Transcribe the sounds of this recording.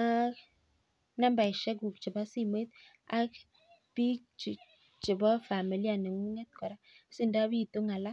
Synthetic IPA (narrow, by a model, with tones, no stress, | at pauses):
na˦mba˨i˨ʃɛ˦ɡu˨kt͡ʃɪ˨ba˦si˦˨me˦t̪̚ | a˦ | b̥i˦t͡ʃ | t͡ʃɪ˨bɔ˦fa˨mi˨li˦a˨nɛ˨ŋu˦ŋɛ˦t̪̚kɔ˨ɾa˦si˦˨nda˦βi˦˨t̪u˦ŋa˨la˦